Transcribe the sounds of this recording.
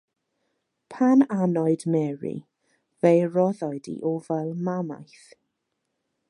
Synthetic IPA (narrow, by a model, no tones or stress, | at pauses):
pʰananɔɨdmɛɹḭ | vejrɔðɔjdḭʔɔvɛlˠmama̰jθ